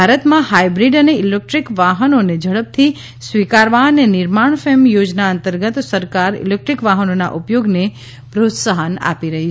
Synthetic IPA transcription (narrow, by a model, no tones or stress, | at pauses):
bʱaɾət̪mãhaibɾiɖəneilek̚ʈɾikʋaɦənoned͡ʒəɭəp̚t̪ʰi | sʋikaɾʋanenɪɾmaɳ̃femjod͡ʒnaənt̪əɾɡət̪səɾkaɾḭlek̚ʈɾikʋaɦənona̰ʔupjoɡne | pɾot̪səɦəna̰piɾəɦi